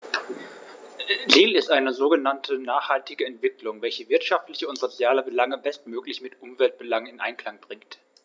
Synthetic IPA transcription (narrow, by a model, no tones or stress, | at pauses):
ziːlɪstʔaɪnəzoːɡənantʰənaːχhaltɪɡəɛntv̥ɪklʊŋvɛlçəvɪɐtʃaftlɪçəʊntz̥ot͡sjaːləbəlaŋəbɛstmøːklɪçmɪtʔʊmvɛlt̚b̥əlaŋnɪnʔa̰ɪnkl̥aŋb̥ʁɪŋkt